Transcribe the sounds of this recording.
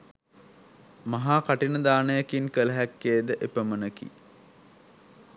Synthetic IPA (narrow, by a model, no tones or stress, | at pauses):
maɦaːkaʈinəd̪aːnəjəkinkələɦækːeːd̪əʔepəmənəkḭ